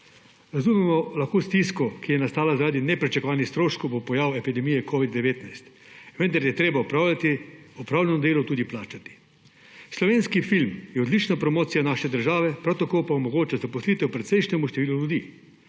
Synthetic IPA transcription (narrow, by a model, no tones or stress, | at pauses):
ɾazuːmɛmɔlaxkoːst̪iskɔkijɛnast̪aːlazaɾaːd̪inɛpɾit͡ʃakɔʋaːnixst̪ɾoːʃkowbopɔjaːwɛpid̪ɛmijɛkʰoːʋid̪ːɛʋeːt̪najst̪ | ʋənd̪aɾjɛt̪ɾeːbaɔpalat̪iɔpɾaːwlʲɛnɔd̪eːlɔt̪uːd̪iplaːt͡ʃat̪i̥ | slɔʋeːnskifilmjɛɔd̪liːt͡ʃnapɾɔmoːt̪sijanaːʃɛd̪əɾʒaːʋɛpɾawt̪akoːpaomɔɡoːt͡ʃazapɔsliːt̪ɛwpɾɛt̪sɛjʃnɛmuʃt̪ɛʋiːluljud̪iː